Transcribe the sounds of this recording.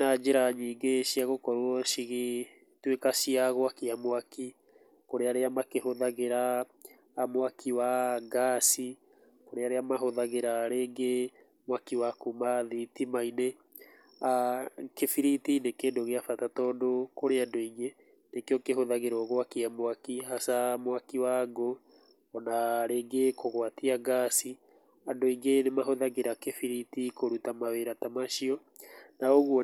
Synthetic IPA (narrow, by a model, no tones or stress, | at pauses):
nad͡ʒeɾaɲiːŋɡeʃiaɣokɔɾwɔʃiɣi | twekaʃiaɣoakeamoaki | koɾeaɾeamakehoðaɣeɾaː | mowakʰiwaɡasi | koɾeaɾeamaɦoðaɣeɾaɾeːŋɡe | mowakiwakumaðitimaine | akefiɾitinekeːndoɣeafatatɔdokoɾeadoiŋɡe | nekejɔkeɦoðaɣeɾɔɣoakiamoakihasamwakiwaɡo | ɔnaɾeːɡekoɣwatiaɡasi | adoiŋɡenemaɦoðaɣeɾakefiɾitikoɾutamaweɾatamaʃiɔ | naoɣuɔ